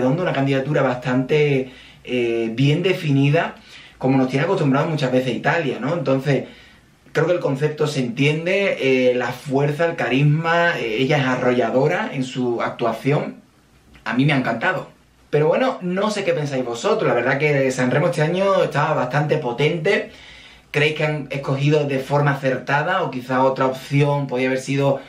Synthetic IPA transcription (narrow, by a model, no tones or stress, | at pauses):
ðo̞nd̪ounakand̪iðat̪uɾaβast̪ant̪e̞ | eβje̞nd̪e̞finiðako̞mo̞not̪jeneako̞t̪umbɾaðomut͡ʃazβe̞θehit̪aljanõ̞e̞nt̪o̞n̟θe̞s | kɾe̞okelko̞n̟θe̞p̚t̪o̞se̞nt̪je̞nd̪e̞elafwe̞ɾθaelkaɾiɦmaeeʝae̞saro̞ʝaðo̞ɾae̞nsua̰k̚t̪uaθjo̞ŋ | amĩmeaŋkant̪aðo̞ | pe̞ɾo̞βwenono̞se̞ke̞pe̞nsajzβo̞so̞t̪ɾolaβe̞ɾðake̞sanre̞moest̪eaɲoe̞ht̪aβaβaht̪ant̪e̞po̞t̪e̞nt̪e̞ | kɾeejhkeaŋe̞hko̞xiðo̞ðe̞fo̞ɾmaːθe̞ɾt̪aðao̞kiθao̞t̪ɾaopθjo̞ŋpoðiaβe̞ɾsiðo̞